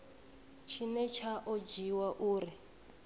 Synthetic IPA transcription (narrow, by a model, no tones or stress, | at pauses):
t͡ʃʰinɛt͡ʃʰaʔɔd͡ʒiwaʔuːɾi